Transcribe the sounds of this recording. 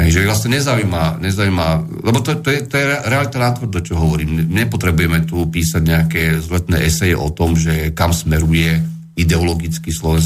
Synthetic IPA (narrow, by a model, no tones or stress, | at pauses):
ɦɛjʒɛɛvlasɲɛɲɛzaujmaɲɛzaujːma | lɛbɔt̪ɔt̪ɔjɛt̪ɔjɛɛɾɛalit̪anat̪ʋəɾ̩d̪ɔt͡ʃɔɦɔʋɔɾiːmɲɛpɔt̪ɾɛbujɛmɛt̪upiːsaɟɲɛakɛːzʋlɛt̪nɛ̰ːʔɛsɛjɛ̰ʔɔ̰t̪ɔmʒɛkamsmɛɾujɛ | id̪ɛɔlɔɡit͡skiːslɔʋɛns